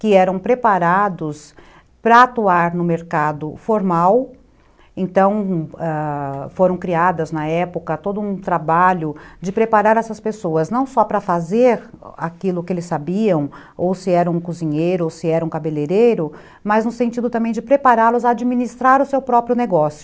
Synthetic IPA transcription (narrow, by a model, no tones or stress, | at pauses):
kɪɛɾɐ̃w̃pɾepaɾad̪ʊs | pɾɐat̪uaɾnʊmeɾkad̪ʊfoɾmaw | ẽnt̪ɐ̃w̃ɛfoɾɐ̃w̃kɾiad̪ɐznɐɛpʊkɐt̪od̪ʊũt̪ɾabaʎʊd͡ʒɪpɾepaɾaɾɛsɐspesoɐznɐ̃w̃sɔpɾɐfazeɾakilʊkɪelɪsːabiɐ̃w̃ | owsɪɛɾɐũkuzĩɲejɾʊowsɪɛɾɐũkabeleɾejɾʊ | mɐznʊsẽnt͡ʃid̪ʊt̪ɐ̃mẽj̃d͡ʒɪpɾepaɾaɾlʊzaːd͡ʒiminist̪ɾaɾʊsewpɾɔpɾjʊneɡɔsjʊ